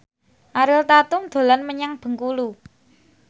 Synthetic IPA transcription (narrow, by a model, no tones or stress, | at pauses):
ʔaɾɪlt̪at̪ʊŋd̪̥o̤lanməɲaŋb̥ə̤ŋkulu